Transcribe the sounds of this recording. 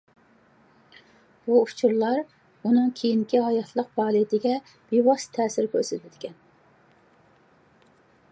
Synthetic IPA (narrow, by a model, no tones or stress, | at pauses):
b̥uut͡ʃʰuɾlˠɑɾ | unɨŋkʲʰejinkʲiɦɑjɑt̪ʰlˠəq̚bɑːlˠijt̪ɪɡʲɛ | b̥iwɑst̪ʰɛːsɪɾkʲʰøɾsɛt̪ʰɪt̪ɪ̥kʲʰɛn